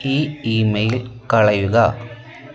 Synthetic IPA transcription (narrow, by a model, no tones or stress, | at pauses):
iːimɐjilkɐɭɐjuɣɐ